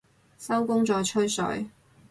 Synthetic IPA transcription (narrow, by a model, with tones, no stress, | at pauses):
sɐ˥wkʊ˥ŋt͡sɔː˨˥jt͡ʃʰɵ˥ɥsɵ̰˨˥ɥ